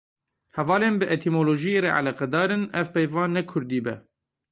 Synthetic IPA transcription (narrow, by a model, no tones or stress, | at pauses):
hɛvɑːleːnbɨʔet̪ʰimoːloːʒijereːʕa̰lɛqɛd̪ɑːɾɨnɛvpejvɑːnːɛkʰʊɾd̪iːbɛ̰